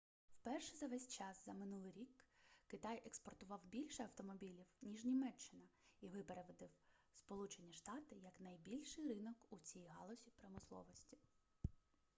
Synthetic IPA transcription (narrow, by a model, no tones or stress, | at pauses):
wpɛrʃɛzɐʋɛsʲt͡ʃɑszɐmɪnulˠɪjɾʲikkɪt̪ɑjʔekspɔrt̪ʊʋɑwbʲilʲʃɛɐwt̪ɔmɔbʲilʲiwnʲiʒnʲimɛt͡ʃːɪnɐiʋɪpeɾeʋɔd̪ɪw | spɔlˠut͡ʃe̞nʲiʃt̪ɑt̪ɪjɐknɐjbʲilʲʃɪjɾɪnɔkut͡sʲijɦɑ̰lˠɔzʲipɾɔmɪslˠɔ̰ʋɔsʲtʲi̥